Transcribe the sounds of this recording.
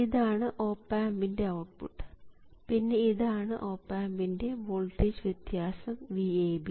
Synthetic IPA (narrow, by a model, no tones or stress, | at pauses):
iðaːɳɨʔo̞ːpːaːmbinde̞ɐwʈ̚pṵʈː | pinːe̞iðaːɳɨʔo̞ːpːaːmbinde̞ʋoɭʈid͡ʑʋjet̪jaːsɐmʋieːbi